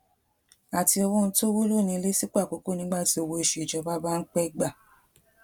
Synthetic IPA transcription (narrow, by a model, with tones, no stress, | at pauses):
a˨ti˧o˧wo˦n̩˧to˦wo˦lo˦˨nĩ˧le˦si˦ku˦a˦˨k͡po˨˦ko˦˨nĩ˦ɡ͡ba˦˨ti˧o˧wo˧e˧ʃe˨i˨d͡ʒɔ˨˦ba˦ba˦n̩˦k͡pɛ˦ɡ͡ba˦˨